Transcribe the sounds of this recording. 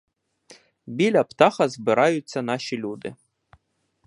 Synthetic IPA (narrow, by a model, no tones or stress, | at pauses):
bʲilʲɐpt̪axɐzbɨɾajʊt͡sʲːɐnaʃilʲud̪ɪ̰